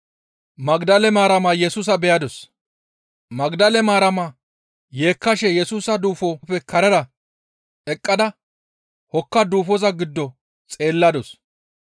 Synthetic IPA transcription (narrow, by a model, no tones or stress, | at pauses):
mɐɡd̪ɐlɛmaːɾɐmɐjɛsuːs̬ɐbɛjɐd̪ɔs | mɐɡd̪ɐlɛmaːɾɐmɐ | je̞ːkːɐʃɛjɛsuːsɐd̪uːfopːɛkʰɐɾɐɾɐ | ɛkʼːɐd̪ɐ | hɔkːɐd̪uːfɔzɐɡɪd̪ːɔ | t͡sʼe̞ːlːɐd̪ɔs